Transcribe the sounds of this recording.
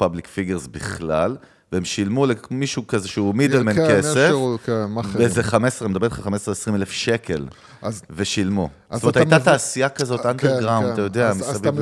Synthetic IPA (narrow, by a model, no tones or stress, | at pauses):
pablikfiɡeʁzbiχlal | veemʃilmulemiʃukazeʃeumidelmenkesefkemaezeχamesʁemed̪abelχaχamesʁeesʁimelefʃekʰe̞l | veʃilmustomethjt̪at̪aːsijakazo̞t̪aneʁɡʁawndtajod̪eamisav